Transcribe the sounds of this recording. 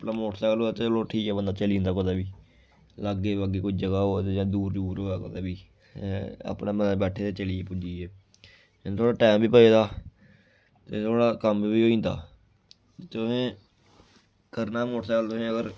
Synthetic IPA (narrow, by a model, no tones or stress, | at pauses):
pnaːmoːʈsaːkəloːaːt̪eloːʈʰiːkɛːbənd̪aːt͡ʃəlĩːnd̪aːkəd̪aːbiː | ləɡeːʋaɡeːkʊd͡ʒəɡaːɦoːt̪eːd͡ʒãːd̪uːɾduːɾɦoːaːkət̪aːbiː | ə̰pnaːbənːbɛːʈʰeːt̪eːt͡ʃəliːeːpʊd͡ʒiːeː | t̪ʰoːɽaːʈɛːmbiːpəeːd̪aː | t̪et̪ʰoːɽaːkəmbiːɦoːĩːnd̪a̰ː | t̪ʊɦẽː | kəɾnaːmoːʈsaːkəlt̪ʊɦẽːəɡəɾ